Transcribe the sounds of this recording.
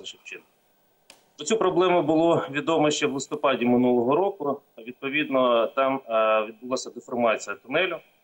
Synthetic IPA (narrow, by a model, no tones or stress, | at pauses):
ɪt͡ʃɪt͡ʃɪn | pɾɔt͡sʲupɾɔblˠɛmʊbʊlˠɔʋʲid̪ɔmɔʃt͡ʃɛʋlˠɪst̪ɔpɑdʲimɪnulˠɔɦɔɾɔkʊ | ʋʲid̪̚pɔʋʲid̪nɔt̪ɑmʋʲid̪̚bʊlˠasʲɐd̪ɪfɔrmɑt͡sʲijɐt̪ʊnɛlʲʊ